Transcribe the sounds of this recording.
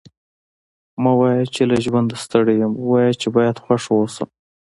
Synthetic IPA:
mawɑjat͡ʃelaʒwand̪ast̪əɽejəmwɑjat͡ʃebɑjad̪xwaʂwosə̰m

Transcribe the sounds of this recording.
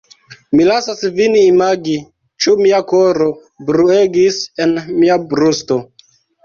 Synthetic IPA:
milasasviniːmaɡi | t͡ʃumiakoɾo | bɾue̞ɡisenmiabɾusto̞

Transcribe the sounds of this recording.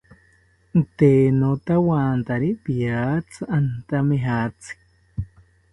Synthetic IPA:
t̪enot̪awaːnt̪aɾipijat͡sʰɨʔant̪ameɦat͡sɨ̥k

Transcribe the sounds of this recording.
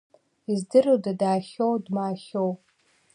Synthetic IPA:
izdɨrɨwdadaːχʲowdmaːχow

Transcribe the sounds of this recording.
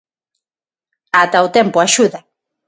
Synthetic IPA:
at̪awt̪empoaʃuða

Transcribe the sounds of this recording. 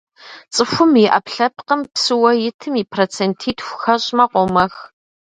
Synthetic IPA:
t͡sʼɨxʷʊmiʔɐpɬɐp̚qəmpsɨwɐjɪtʰɨmiːpʰrot͡sʰentʰiːtxʷʊxɐɕʼmɐqʷɔmɐx

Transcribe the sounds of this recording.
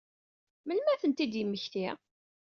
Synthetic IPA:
mənmæθənt̪id̪jəmːəçt̪i

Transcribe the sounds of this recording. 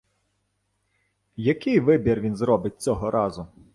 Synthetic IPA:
jɐkɪjʋɪbʲirʋʲinzɾɔbɪt̚ʲt͡sʲɔɦɔɾʔɑzʊ

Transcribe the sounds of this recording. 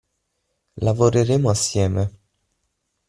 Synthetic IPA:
lavoɾeɾeːmoasːjɛːme

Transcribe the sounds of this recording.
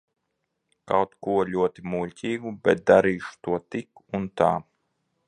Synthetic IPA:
ka̰wt̪kuɔlʲuɔt̪imulʲcʲiːɡubɛt̪̚d̪aɾiːʃu̥t̪uɔt̪ikunt̪a̰ː

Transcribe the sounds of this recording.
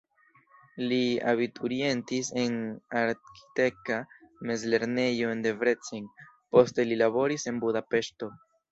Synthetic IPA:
lia̰βitʰuɾie̞ntise̞naɾki̥te̞kame̞zle̞ɾne̞jo̞nde̞vɾet͡siŋ | po̞ste̞lilaβo̞ɾise̞nbudape̞ʃto̞

